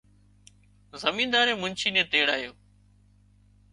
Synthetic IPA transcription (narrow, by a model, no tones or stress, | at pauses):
zəmiːnd̪aːɾẽːmʊnt͡ʃʰiːnẽːt̪eːɽaːɦijoː